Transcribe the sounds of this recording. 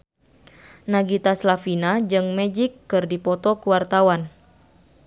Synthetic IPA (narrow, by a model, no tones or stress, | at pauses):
naɡit̪aslafinad͡ʒɨŋmɛd͡ʒikːɨrdipɔt̪ɔkuwart̪awan